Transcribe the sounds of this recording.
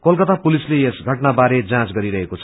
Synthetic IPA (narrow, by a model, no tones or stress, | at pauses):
kolkʌt̪apulislejesɡʱʌʈnabaɾed͡zãt͡sɡʌɾiɾʌɦekot͡sʰʌ̥